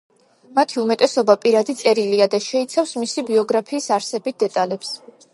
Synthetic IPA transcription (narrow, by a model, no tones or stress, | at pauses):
mat̪ʰiumɛt̪ʼɛsɔbapʼiɾad̪it̪sʼɛɾiliad̪aʃɛit̪sʰafsmisibiɔɡɾapʰiːsaɾsɛbit̪̚d̪ɛt̪ʼalɛps